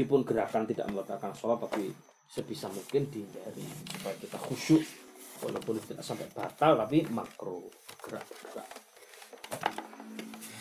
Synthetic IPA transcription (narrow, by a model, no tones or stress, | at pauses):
d̥ipʊnɡəɾakant̪ida̰ʔməlut̪akansolapaki | səb̥isamuŋkɪnd̪̥ind͡ʒaɾḭsəpaakit̪axuʃʊʔko̰lʔopondi̥t̪əda̰ʔsampɛʔb̥a̤t̪alt̪apima̰kɾoəɡ̥əɾa̰ʔb̥ərɡ̥əɾa̰ʔ